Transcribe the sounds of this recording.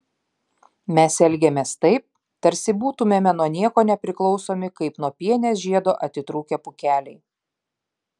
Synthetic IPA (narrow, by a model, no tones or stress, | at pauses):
mʲɛsɛlʲɡʲɛmʲeːst̪ɐɪp̚ | t̪ɐɾʲsʲɪbuːt̪ʊmʲeːmʲɛnuɔnʲiɛkoːnʲɛpʲɾʲɪklˠɒʊsoːmʲɪkɐɪpnuɔpʲiɛnʲɛsʒʲiɛd̪oːʔɐt̪ʲɪt̪ɾuːkʲepʊkʲæːlʲɛɪ